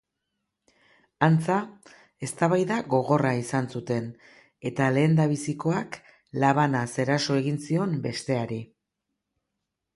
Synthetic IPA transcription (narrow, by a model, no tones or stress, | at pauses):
ant͡sa | e̞st̪aβajðaɣo̞ɣ̞o̞raisansut̪e̞n | e̞t̪ale̞ːnd̪aβ̞isiko̞ak | laβ̞anase̞ɾaso̞e̞ɣinsio̞mbe̞st̪e̞aɾi